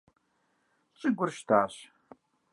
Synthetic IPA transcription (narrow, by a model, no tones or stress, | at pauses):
t͡ʃʼɪɡʷʊrʃtʰaːɕ